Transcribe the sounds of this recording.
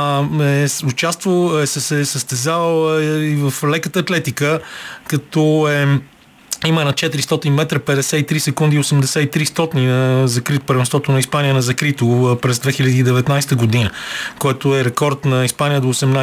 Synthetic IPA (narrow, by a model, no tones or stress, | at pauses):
ɛsʊt͡ʃast̪voɛsɛsɛsəst̪ɛzavəivəflɛkət̪əːt̪lɛt̪ikəkɐt̪ɔɛ | imənɐt͡ʃɛt̪iɾist̪ɔt̪inmɛt̪ɾəpɛd̪ɛsɛit̪ɾisɛkund̪iosɛmd̪ɛsɛit̪ɾist̪ɔt̪ininɐzɐkɾit̪opəɾvɛnst̪vɔt̪onɐispanijənɐzɐkɾit̪opɾɛzd̪vɛxilʲɐd̪iːd̪ɛvɛt̪najst̪əɡod̪inəkoɛt̪oɛɾɛkɔɾt̪nɐispanijəd̪oːsɛmna